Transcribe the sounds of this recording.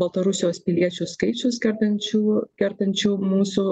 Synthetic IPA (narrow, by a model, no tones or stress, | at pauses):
bɐlˠt̪ɐɾʊsʲɪjoːspʲɪlʲiɛt͡ʃʲuːskɐɪt͡ʃʲʊskʲɛɾt̪ɐnʲt͡ʃʲuːkʲɛɾt̪ɐnʲt͡ʃʲuːmuːsuː